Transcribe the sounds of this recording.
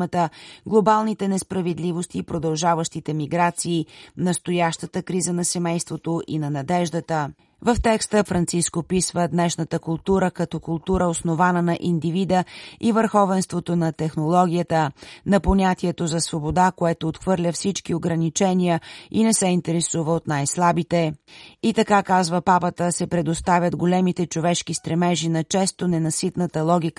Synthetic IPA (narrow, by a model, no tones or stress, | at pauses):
ət̪əɡlˠobalˠnit̪ɛnɛspɾɐvɛd̪livost̪iːpɾod̪ɐlˠʒavəʃt̪it̪ɛmiɡɾat̪siːnɐst̪ojaʃt̪ət̪əkɾizənɐsɛmɛjst̪vot̪oʔinɐnɐd̪ɛʒd̪ət̪ə | vəft̪ɛkst̪əfɾɐnt̪siskopisvəd̪nɛʃnət̪əkʊlˠt̪uɾəkɐt̪ɔkʊlˠt̪uɾəosnovanənɐʔind̪ivid̪əivəɾxɔvɛnst̪vot̪onɐt̪ɛxnolˠɔɡʲijət̪ənɐpoɲʲat̪iɛt̪ozɐsvobod̪akoɛt̪oːt̪xvɤɾlʲəfsit͡ʃkioɡɾɐnit͡ʃɛnʲijəinɛsɛint̪ɛɾɛsuvəot̪najslˠabit̪ɛit̪ɐkakazvəpapət̪əsɛpɾɛd̪ost̪avʲjəd̪ɡolɛmit̪ɛt͡ʃovɛʃk̟ist̪ɾɛmɛʒinɐt͡ʃɛst̪onɛnɐsit̪nət̪əlˠɔɡ̟ʲik